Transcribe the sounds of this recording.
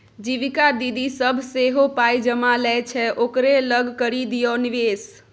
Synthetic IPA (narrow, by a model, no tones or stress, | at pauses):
d͡ʒiʋikad̪id̪isəbʱseɦopaid͡ʒəmalɛt͡ʃʰɛʔokɾeləɡʱkəɾid̪ijoniʋeːs